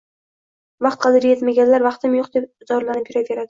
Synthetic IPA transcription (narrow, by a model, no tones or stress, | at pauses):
vɑqt̪̚qʰɑd̪ɪɾje̞t̪maɡʲanlaɾvɑqt̪ʰɪmjoqd̪e̞pzɒɾlanɪpjɪɾave̞ɾad̪ɪ